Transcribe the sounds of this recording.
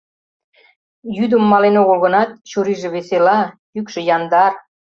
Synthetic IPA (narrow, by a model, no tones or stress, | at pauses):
jyd̪ə̆mːɑlenoɣəlɣənɑt̪̚t͡ɕuɾiʒĕβeselɑ | ykʃĕjɑnd̪ɑr